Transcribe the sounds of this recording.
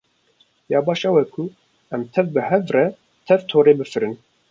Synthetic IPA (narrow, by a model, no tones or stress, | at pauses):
jɑːbɑːʃɛwɛkʰʊ | ɛmt̪ʰɛvbɨhɛvrɛ | t̪ʰɛvt̪ʰoːɾeːbɨfɨɾɨn